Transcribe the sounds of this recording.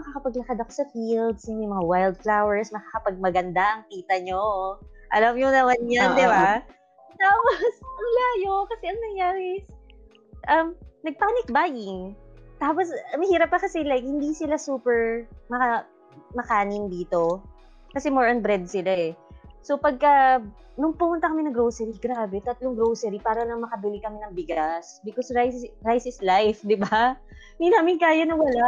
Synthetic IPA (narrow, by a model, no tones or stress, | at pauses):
mɐkakɐpɐɡlɐkad̪ɐko̞sɐfild̪sjɐmɐjmɐŋawajld̪̚flawɛɹsmɐkakɐpɐɡ̚mɐɡɐnd̪aʔɐŋkiːt̪ɐɲoʔɐlɐmɲonɐmanɲand̪ɪba | t̪aːposʔɐŋlaːjokɐsɛʔɐŋnɐŋjaːɾɛs | ʔɐmnɐɡ̚paːnɪk̚baːjɪŋt̪aːposmɐhiːɾɐp̚ːɐkɐsɛlak̚hɪnd̪iːsɪlasuːpɛɹmɐkɐ | mɐkaːnɪmd̪iːt̪o̞ | kɐsɛmoɹʔɐnbɾɛd̪̚sɪlaɛsopɐɡ̚kɐ | nʊŋpʊmʊnt̪ɐkɐmɪnɐŋɡɾowsɛɾiɡɾaːbɛt̪ɐt̪loŋɡɾowsɛɾipaːɾɐlɐŋmɐkɐbɪlɪkɐmɪnɐŋbɪɡasbɪkosɹajsɹajsɪslajfd̪ɪba | ɪnd̪inaːmɪnkaːjɐnɐwɐlaʔ